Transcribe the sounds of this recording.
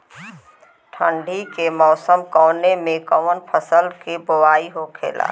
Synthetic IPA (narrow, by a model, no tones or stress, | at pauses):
ʈʰə̃ɳɖʱikemɔːsəmkɔːnemẽkɔwənpʰəsəlkeboʋaːiɦokʰḛːla̰ː